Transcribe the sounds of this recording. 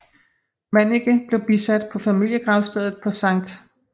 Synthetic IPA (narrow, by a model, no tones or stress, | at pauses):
mæneɡ̥əb̥le̝ʊb̥isæd̥̚pʰɒ̽fæmil̰jəɡ̥ʁɑ̈ʊsd̥ɛðˠð̩ˠpʰɒ̽sɑ̈ŋ̰d̥